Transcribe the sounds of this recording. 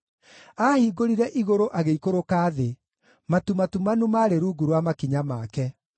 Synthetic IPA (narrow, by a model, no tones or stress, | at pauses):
aːhiːɡoɾiɾɛʔiɣoɾoʔaɣeikoɾokaːðe | matumatumanumaɾeɾuːɡuɾwamakiɲamaːkɛ